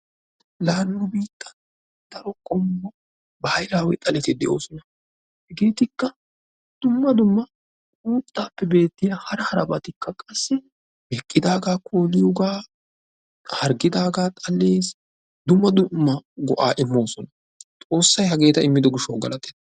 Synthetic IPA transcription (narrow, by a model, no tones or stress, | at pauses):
laːnːʊbiːt̪ʼːɐ | d̪̥ɐɾɔkʼɔmːɔ | bɐhɐjlaːwɛ̰t̪ʼɐlɛt̪ɪd̪ɛʔo̞ːsɔnɐ | hɛɡe̞ːt̪ɪkːɐ | d̪̥ʊmːɐd̪ʊmːɐ | uːt̪ʼːaːpːɛbe̞ːt̪ːɪjahɐɾɐhɐɾɐ̰bɐt̪ɪkːɐkʼɐsːɛ | bɛkʼːɪd̪aːɡaːkʰo̞ːlɪjɔɡaː | hɐɾɡɪd̪aːɡaːt̪ʼɐlːeːs | d̪ʊmːɐd̪ʊmːɐɡɔʔaːʔɪmːo̞ːsɔnɐ | t̪ʼo̞ːsːɐjɦɐɡe̞ːt̪ɐɪmːɪd̪ɔɡɪʃoːɡɐ̰lɐt̪ːɛt̪ː